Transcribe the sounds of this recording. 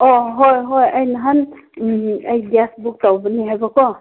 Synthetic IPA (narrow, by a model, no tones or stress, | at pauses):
ɔɦɔjɦɔjajnaɦan | ajdiasbuk̚tawbɯniɦajbɔkɔ